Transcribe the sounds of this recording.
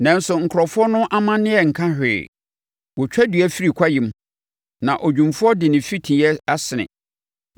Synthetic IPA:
nã˦n˦sʊ˨ŋ̩˨kʰɾɔ˨fʊ˦ɔ˦nʊ̃˦ʔa˦mã˦nɪ̃˦ɛ˨ŋ̩˨kʰã˦hᶣɪ̰˨ | wɔ˨t͡ɕᶣɛ˦dɥɛ˦fi˦ɾi˨kʷʰa˦ji˨m˦ | nã˨ʔo˨d͡ʑᶣũ˨mfʊ˦ɔ˦dɪ˨nɪ̃˨fi˦tʰĩ˨jɛ˦a˦sɪ˨nɪ̰̃˨

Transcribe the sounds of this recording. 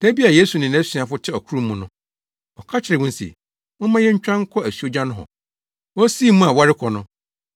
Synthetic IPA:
d̥æ˦bi˦a˨je˦su˨nɪ̃˨n˨æ̃˦si˨a˨fʊ˦tʰɪ˦ɔ˨kʰu˦ɾu˦mũ˨nʊ̃˦ | ɔ˨kʰa˦t͡ɕʰɪ˨ɾɪ˨ʊ̃˦n̩˦sḛ˨ | mʊ̃˦mã˦jɛ˦ɲ̩˦t͡ɕᶣɾã˦ŋ̩˦kʰɔ˦æ˨sɥo˦d͡ʑã˦nʊ̃˦ɦɔ̰˨ | ɔ˦si˦˨mũ˦a˨wa˦ɾɪ˦kʰɔ˨nʊ̃˦

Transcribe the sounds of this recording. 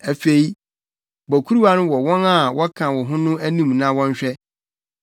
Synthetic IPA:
æ˨fe˨i˦ | bɔ˨kʰu˦ɾu˦wa˦nʊ̃˦wɔ˨wɔ̃˦na˦˨wɔ˦kʰã˨wɔ˨ɦʊ̃˦nʊ̃˦æ˦nĩ˦mnã˦wɔ̃˦ɲ˦ɕᶣɛ˦

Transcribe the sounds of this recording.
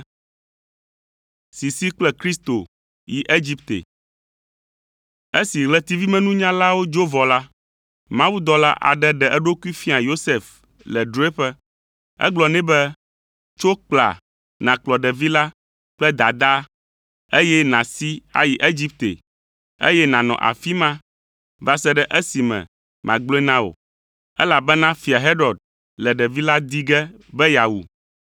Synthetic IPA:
si˨si˦k͡plɛ˦kɾi˦st̪o̰˨ | ji˨ʔe˦d͡ʑi˦pt̪ḛ˨ | e˦si˨ɣlɛ˦t̪i˦vi˦mɛ̃˦nũ˦ɲã˦la˦wo˦d͡ʒo˦vɔ˨la˦ | mã˦wu˦d̪ɔ˦la̰˦ʔa̰˨ɖɛ˦ɖɛ˨ʔɛ˦ɖo˦ku˦i˦fi˦a˨jo˦se˨f | lɛ˨ɖo˨˦e˦ɸɛ˦ | ɛ̰˦ɡ͡blɔ˨nɛ̃˦bɛ˦ | t͡ʃo˦k͡pla̰˨ | nã˨k͡plɔ˨ɖɛ˨vi˦la˦ | k͡plɛ˦d̪a˨d̪a˦ | e˦jɛ˦nã˨si˦a̰˦ji˨ʔe˦d͡ʑi˦p̚t̪e˨ | ḛ˦jɛ˦nã˨nɔ̰̃˨ʔa̰˨fi˦mã˦ | va˦sɛ˦ɖɛ˦ʔɛ˦si˨mɛ̰̃˨ | mʔã̰˨ɡ͡blɔ̃˦ɛ˦nã˦wo̰˨ | ɛ̰˦la˨bɛ˦nã˦fi˨a˨ɦe˦ɾɔ˨d̪̚ | lɛ˨ɖɛ˨vi˦la˦d̪i˦ɡɛ˦ | bɛ˦ja˨wṵ˨

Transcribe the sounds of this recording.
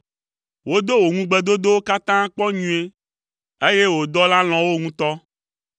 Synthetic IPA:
wo˦d̪o˦wo˨ŋũ˦ɡ͡be˨d̪o˦d̪o˦wo˦ka˦t̪ã˦k͡pɔ˦ɲũ˨e˦ | e˦je˦wo˨d̪ɔ˦la˦l̃ɔ̃˨wo˦ŋũ˦t̪ɔ˦

